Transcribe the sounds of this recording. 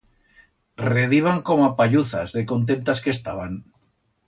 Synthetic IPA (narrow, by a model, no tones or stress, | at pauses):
reðiβ̞aŋkomapaʎuθa̰zðekont̪̬ent̪askest̪aβ̞aŋ